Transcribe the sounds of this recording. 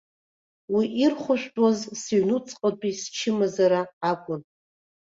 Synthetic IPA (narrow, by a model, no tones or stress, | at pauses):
wiʔirχʷʊʃᶣtʼwazsiɥnut͡sʼqʼat͡pʼist͡ʃʰɪmazaɾaːkʷʼʊn